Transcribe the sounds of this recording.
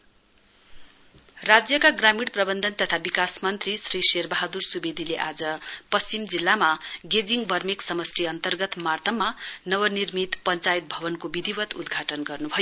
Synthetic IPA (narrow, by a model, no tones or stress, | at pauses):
rad͡zjʌkaɡramiɽprʌbʌnd̪ʱʌnt̪ʌt̪ʰabikasmʌnt̪risriserbaɦad̪ursubed̪ʱileʔad͡zʌpʌst͡simd͡zilːamaɡed͡ziŋbʱʌrmiksʌmʌsriʌnt̪ʌrɡʌt̪mart̪ʰʌmːanʌwʌnirmit̪pʌnt͡sajt̪̚bʱʌβʌnkobid̪ʱibʌt̪ṵd̪ɡʱaʈʌnɡʌrnubʱʌjo